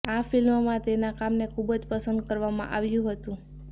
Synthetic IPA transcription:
afilmmãt̪enakamnekʰubd͡ʒpəsənd̪̚kəɾʋamã̰ʔaʋjũɦət̪ũ

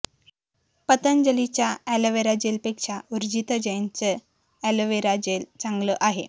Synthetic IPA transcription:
pət̪ənd͡ʑəlit͡ɕjaæləʋeɾad͡ʑelpekʂauɾd͡ʑit̪əd͡ʑəjant͡sə | ælʋeɾad͡ʑelt͡saŋɡləʔaɦe

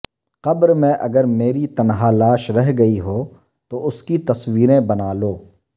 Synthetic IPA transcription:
qɐbɾmɛ̃ʔɐ̰ɡəɾmeːɾit̪ɐnɦaːlaːʃɾɐɦɡɐiɦoː | t̪oʊskit̪ɐswiːɾẽbɐnaːloː

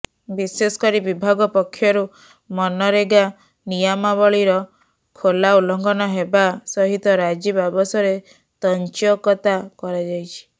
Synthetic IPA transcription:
bisesɔ̥kɔɾibibʱaɡɔpɔkʰːjɔɾu | mɔnɔɾeɡa | nijamaβɔɭiɾɔ | kʰolaulɔŋɡɔnɔɦebasɔɦit̪ɔɾad͡ʒibabɔsɔɾe | t̪ɔnt͡ʃɔkɔt̪akɔɾad͡ʒajt͡ʃʰi̥

